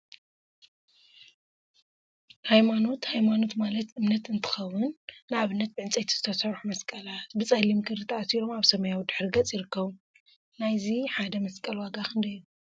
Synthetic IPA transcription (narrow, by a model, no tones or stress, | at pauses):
hajmano̞t̪hajmano̞t̪malɐt̪ʔɨmnɐt̪ɨnt̪ʰɨ̥xɐwʊnːɨʔaβɨnːɐt̪̚bɨʕɨnt͡sʼɐjt̪ʰizɨ̥t̪ʰɐsɐɾħumɐskʼɐlat̪bɨt͡sʼalimkʰɨɾit̪ʰɐʔasiɾo̞maβsɐmajawd̪ɨħɾiɡɐt͡sʼjiɾɨkːɐβu | najziħad̪ɐmɐskʼɐlwaɡakʰɨnd̪ɐju